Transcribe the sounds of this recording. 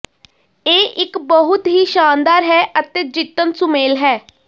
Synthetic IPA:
eːʔɪkbəɦʊt̪ɦiːʃaːnd̪aːɾɦɛːʔət̪eːd͡ʒɪt̪ːənsʊmeːlɦɛː

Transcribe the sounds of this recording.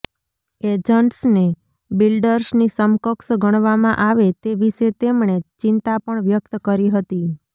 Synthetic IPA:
ed͡ʒəɳʈsne | bilɖəɾsnisəmkəksɡəɳ̃ʋamãʔaʋet̪eʋiʃet̪emɳ̃et͡ʃɪnt̪apəɳʋjək̚t̪kəɾiɦət̪i

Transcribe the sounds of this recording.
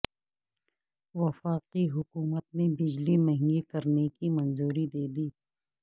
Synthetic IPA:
wɐfaːqiɦʊkuːmət̪̚mẽbɪd͡ʒlimɐɦɪ̃ŋɡikɐɾnekimɐnzuːɾid̪eːd̪iː

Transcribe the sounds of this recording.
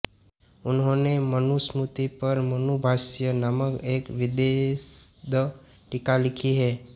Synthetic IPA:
ʊnɦonemənusmut̪ipəɾmənubʱaʃjənaməkekʋɪd̪esd̪ə | ʈɪkalɪkʰiɦɛ

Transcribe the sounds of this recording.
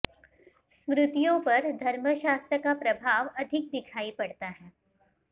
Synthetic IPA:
smɾʊt̪ijõpɐɾd̪ʱɐɾməʃaːst̪ɾəkapɾɐbʱaːʋɐd̪ʱɪk̚d̪ɪkʰaːipɐɽt̪aɦɛː

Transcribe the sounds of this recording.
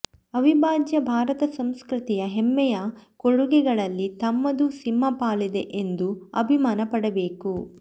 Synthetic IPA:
ɐʋibʱaːd͡ʒjɐbʱaːɾɐt̪ɐsɐmskɾit̪ijɐɦɛmːɛjɐkoɽuɡɛɡɐɭɐlːit̪ɐmːɐd̪usimːɐpaːlid̪eʔend̪uɐ̰bʱimaːnɐpɐɽɐbe̞ːku

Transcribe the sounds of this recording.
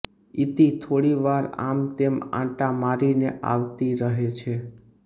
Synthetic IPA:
it̪it̪ʰoɽiʋaɾa̰mt̪emã̰ʈamaɾineʔa̰ʋt̪iɾəɦet͡ʃʰe

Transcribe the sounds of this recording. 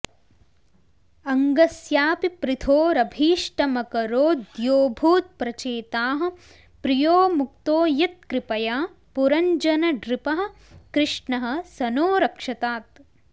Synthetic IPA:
ɐŋɡɐsjaːpipɾɪt̪ʰoːɾɐbʱiːʂʈɐmɐkɐɾoːd̪joːbʱuːt̪̚pɾɐt͡ʃeːt̪aːɦɐ̆ | pɾijoːmuk̚t̪oːjɐt̪̚kɾɪpɐjaː | puɾɐɲd͡ʒɐnɐɖɾɪpɐɦɐ̆ | kɾɪʂɳɐɦɐ̆sɐnoːɾɐkʂɐt̪aːt̪̚

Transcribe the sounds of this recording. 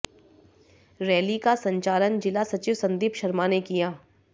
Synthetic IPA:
ɾɛːlikasɐ̃ɲt͡ʃaːlənd͡ʒɪlasɐt͡ʃiʋsɐ̃nd̪iːpʃɐɾmanekijaː

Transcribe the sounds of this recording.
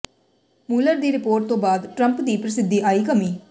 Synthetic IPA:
muːləɾd̪iːɾɪpoːɾʈ̚t̪õːbaːd̪ʈɾə̃mpd̪iːpɾəsɪd̪ʱiːʔaːiːkəmiː

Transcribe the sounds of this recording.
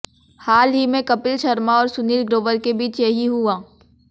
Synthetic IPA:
haːlɦimẽkɐpɪlʃɐɾmaɔːɾsʊniːlɡɾoːʋəɾkebʱiːt͡ʃjɐɦiɦuãː

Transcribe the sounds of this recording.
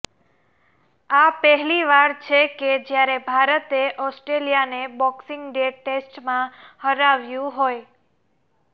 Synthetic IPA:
apəɦɛliʋaɾt͡ʃʰeked͡ʒjaɾebʱaɾət̪eʔɔsʈɾelijanebɔksɪŋɡɖeʈːesʈmãhəɾaʋjũɦoj

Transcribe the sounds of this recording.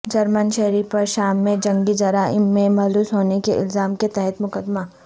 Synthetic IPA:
d͡ʒɐɾmənʃɛɦɾiːpɐɾʃaːmːẽd͡ʒɐ̃ŋɡid͡ʒɐɾaːʔɪːẽmɐɦluːsɦoːnekeʔɪ̰lzaːmket̪ɛɦɛt̪mʊkəd̪ma

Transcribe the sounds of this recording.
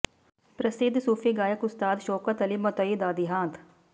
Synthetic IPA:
pɾəsɪd̪suːpʰiːɡaːjəkʊst̪aːd̪ʃoːkət̪əlimɐt̪oiːd̪aːd̪iːɦãːt̪ʰ

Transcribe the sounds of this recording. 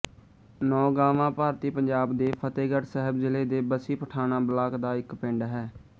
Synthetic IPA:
nɔːɡaːʋãːpaːɾt̪iːpəɲd͡ʒaːbd̪eːpʰət̪eːɡəʈsɛɦəbzɪleːd̪eːbəsiːpəʈʰaːnãːbəlaːkd̪aːɪkpɪ̃ɳɖɦɛː

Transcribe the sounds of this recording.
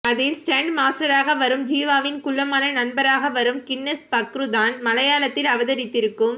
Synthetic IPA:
ɐðɪlsʈeːɳɖmaːsʈɐɾaːɣɐʋɐɾɯmd͡ʒiːʋaːʋɪnkʊɭːɐmaːnɐnɐnbɐɾaːɣɐʋɐɾɯmkɪnːɐspɐkɾɯðaːnmɐlɐjaːlɐt̪ːɪlɐʋɐðɐɾɪt̪ːɪɾɯkːɯm

